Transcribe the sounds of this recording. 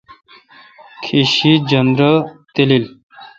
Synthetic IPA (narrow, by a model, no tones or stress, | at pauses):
kʰiʃid͡ʑʌnd̪ɾət̪elil